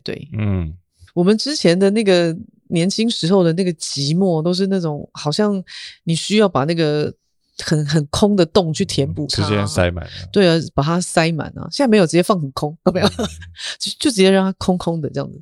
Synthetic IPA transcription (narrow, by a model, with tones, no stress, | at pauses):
t̪wḛ˥˩ɪn̩˥˩ | wɔ˨˩mə˨˦nʈ͡ʂɻ̩˥t͡ɕʰjɛ˧˥nd̪ə˨na˥˩ɡə˨˩ | njɛ˧˥nt͡ɕʰi˥ŋʂɻ̩˧˥xo˥˩ʊd̪ə˩na˥˩ɡə˩t͡ɕi˧˥mwɔ˥˩t̪o˥ʊʂ̬ɻ̩˥˧na˥˩ʈ͡ʂʊ˨˩˦ŋxɑ˨˩ʊɕjɑ˥˩ŋni˨˩ɕy˥jɑ˥˩ʊpa˨˩na˥˩ɡə˩ | xə˨˩˦nxə˨˩nkʰʊ˥ŋd̪ə˨t̪ʊ˥˩ŋt͡ɕʰy˥˩t̪ʰjɛ˧˥npṵ˥˩ʂɻ̩˥˧˩ɛ˥˩nsa̰˥ɪma̰˨˩˦nt̪we˥˩ɪə˧˥˩pa˨˩t̪ʰa˥sa˥ɪma̰˨˩˦nɐ̰˧˦ɕjn˥˩m˧˥jo˨ʊʈ͡ʂ̩˧˩t͡ɕjɛ˥˧fɑ˥˩ŋxə˨˩nkʰʊ˥ŋt̪o˥˩bjo˥˩t͡ɕo˥˧t͡ɕo˥˩ʈ͡ʂɻ̩˧˥t͡ɕjɛ˥ɻɑ˥˩ŋt̪ʰa˥kʰʊ˥ŋkʰʊ˥ŋd̪ə˨ʈ͡ʂɤ˥jɑ̰˥˩ŋd͡z̩˩